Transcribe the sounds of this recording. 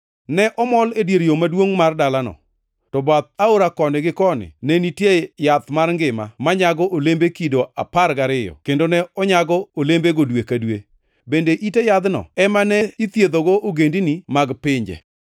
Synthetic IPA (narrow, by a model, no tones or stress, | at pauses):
nɛʔɔmɔledjeɾjomadwoŋmardalanɔ̰ | tɔbat̪̚aoɾakɔnɪɡɪkɔnɪ̰nɛnitjejat̪marŋɡɪma̰maɲaɡɔʔolembekidoa̰paɾɡaɾɪjɔ̰kendonɛɔɲaɡɔolembeɡodwekadwe | bendeʔitejad̪nɔ̰ɛmanɛit̪jed̪oɡoʔoɡendinimaɡpɪɲd͡ʒɛ̰